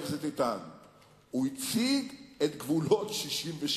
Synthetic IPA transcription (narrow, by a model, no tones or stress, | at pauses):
vzet̪it̪an | uit͡siɡet̪ɡvulo̞t̪ʃiʃimveʃ